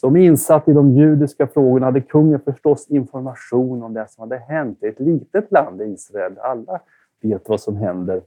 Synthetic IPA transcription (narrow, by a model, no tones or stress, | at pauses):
sɔmɪnsat̪ːɪd̪ɔmjʉ̟ːd̪ɪskafɾoːɡʊɳahad̪ːəkʰɵŋːənfœʂʈɔsːɪnfɔɾmaɧuːnɔmd̪ɛsɔmhad̪ːəɦɛnt̪ɪɛt̪liːt̪ət̪land̪ɪiːsɾaɛlːalːa | veːt̪vasɔmɦɛnd̪əɾ